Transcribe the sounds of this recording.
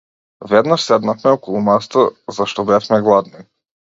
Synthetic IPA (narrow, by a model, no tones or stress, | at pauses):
vɛd̪naʃsɛd̪nafmɛɔkɔlˠumast̪azaʃt̪ɔbɛfmɛɡlˠad̪ni